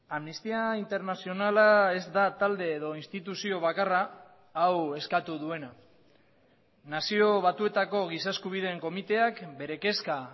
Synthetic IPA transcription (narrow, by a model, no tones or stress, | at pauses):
amnist̪iaint̪e̞ɾnasio̞nalae̞zd̪at̪ald̪e̞ːðo̞inst̪it̪usio̞β̞akaraː | we̞skat̪uðue̞na | nasio̞β̞at̪ue̞t̪ako̞ɣ̞isaskuβ̞ið̞e̞ŋko̞mit̪e̞akbe̞ɾe̞ke̞ska